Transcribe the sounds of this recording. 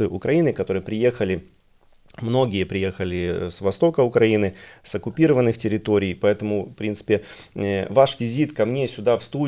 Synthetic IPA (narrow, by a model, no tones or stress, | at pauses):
ɨʔʊkɾʔɐinɨkɐt̪o̞ɾɨjəpɾʲɪje̞xəlʲɪ | mno̞ɡʲɪjəpɾʲɪje̞xəlʲɪsvɐst̪o̞kəʊkɾɐinɨsɐkʊpʲiɾəvənːɨxtʲɪɾʲɪt̪o̞ɾʲɪjpɐɛt̪əmʊfpɾʲint̪sɨ̥pʲɪ | vaʂvʲɪzʲit̪kɐmnʲesʲʊd̪afst̪u